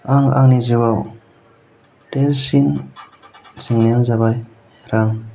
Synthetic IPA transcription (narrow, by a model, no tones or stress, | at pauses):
aŋa̰ŋnizɯwaw | delsin | ziŋnɛŋzabaj | ɾaŋ